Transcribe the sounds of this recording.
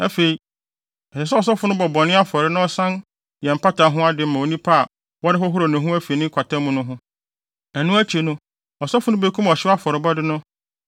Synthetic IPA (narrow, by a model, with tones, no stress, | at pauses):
æ˦fe˨i˨ | ɛ˨ɕɛ˨sɛ˦ɔ˨s̬ɔ˦fʊ˦nʊ̃˦bɔ˨bɔ˨nɪ̃˦a˦fɔ˨ɾɪ˦nã˦ɔ˦sã˦n | jɛ˨m̩˨pʰa˦ta˨˦ɦʊ̃˦a˦dɪ˨˦mã˨o˨nĩ˦pʰa˦a˨ | wɔ˦dɪ˦fɔ˦ɦʊ˦ɾo˨nʊ̃˨ɦʊ̃˦æ˦fe˨nɪ̃˦kʰʷa˨tʰã˦mũ˦nʊ̃˦ɦʊ̃˦ | ɛ˨nʊ̃˦æ˦t͡ɕʰe˨nʊ̃˦ | ɔ˨sɔ˦fʊ˦nʊ̃˦be˦kʰũ˦m˨ɔ˨ɕɪ˦a˦fɔ˨ɾɪ˨bɔ˦dɪ˦nʊ̃˦